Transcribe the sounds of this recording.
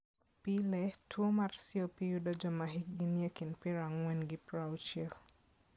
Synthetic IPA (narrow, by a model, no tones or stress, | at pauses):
pilɛtʰwomarsiopijudɔd͡ʒɔmaɦik̚ɡinjekɪnpɪɾaŋwɛnɡɪpɾaut͡ʃɛl